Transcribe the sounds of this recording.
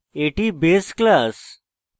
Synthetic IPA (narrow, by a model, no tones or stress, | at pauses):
eʈiːbesklas